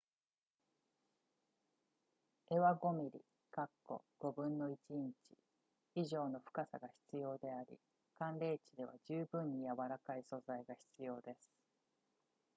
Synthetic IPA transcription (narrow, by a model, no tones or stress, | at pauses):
e̞βaɡo̞mʲiɾʲḭ | kakːo̞̰ɡ̥o̞bɯ̟̃nːo̞it͡ɕĩɲt͡ɕi̥ | iʑo̞ːno̞ɸɯ̥kasa̰ɡaçi̥t͡sɨjo̞ːd̪e̞aɾʲḭ | kãnɾe̞ːt͡ɕid̪e̞β̞a̰d͡ʑɨːbɯ̟̃ɲ̟ːijaβaɾakaiso̞zaiɡaçi̥t͡sɨjo̞ːd̪e̞sɨ̥